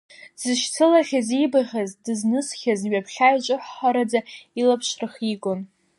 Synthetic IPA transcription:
z̥ɨʃt͡sʰɨlaχʲazibaχʲazdɨznɨsχʲazɥapʰχʲajt͡ʃʷʼɨħːaɾad͡zailapʰʃrɨχikʼʊn

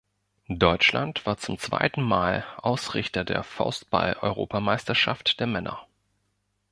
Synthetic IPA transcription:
dɔʏt͡ʃla̰ntv̥aːɐt͡sʊmt͡sv̥a̰ɪtn̩maːlʔaʊsʁ̥ɪ̰çtɐdḛːɐfa̰ʊst̚b̥a̰lʔɔʏʁo̰ːpamaɪstɐʃa̰ftd̥eːɐmɛnʔɐ̰

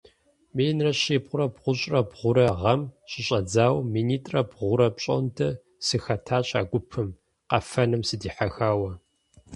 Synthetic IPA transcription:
meːnrɐɕieːpqʷʊɾɐbʁʷʊɕʼrɐbʁʷʊɾɐʁɐmɕɪɕʼɐd͡zaːwmiːniːtʼrɐbʁʷʊɾɐpɕʼo̰ntʰɐ | sɨxɐtʰaːɕʼa̰ːɡʷʊpʰɨm | qɐfɐnɨmsɨdiːħaxaːwɐ

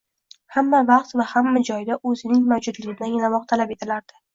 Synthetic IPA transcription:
hamːavɑqt̪vahamːad͡ʒɒjd̪aʔɵzɪnɪŋmawd͡ʒʊd̪lɪɡʲɪd̪anjɪlamɒq̚t̪ʰalape̞t̪ʰɪlaɾd̪̥ɪ̥

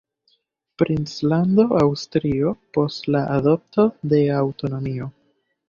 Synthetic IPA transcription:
pɾint͡slando̞ʔawstɾio̞po̞stlaʔado̞p̚to̞de̞awto̞no̞mio̞

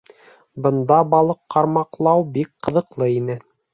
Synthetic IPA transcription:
bɤ̆nd̪ɑbɑlˠɤqːɑɾmɑqlˠɑwbik̚qɤ̆ðɤ̆qlˠɤinɘ

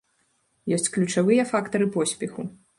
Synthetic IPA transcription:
jɔsʲt͡sʲklʲut͡ʂavɨjɐfakt̪ɐɾɨpɔsʲpʲɛxu

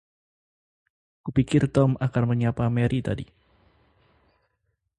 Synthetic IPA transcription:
kupikɪrt̪ɔmʔakanməɲapamɛɾʔit̪adi

